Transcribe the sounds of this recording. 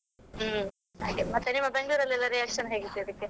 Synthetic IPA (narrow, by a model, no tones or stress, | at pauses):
aʈemɐt̪ːenimːɐbeŋɡɭuːɾɐlːɛlːɐɾijaːkʂɐnɦeːɡit̪ːeid̪ɐkːe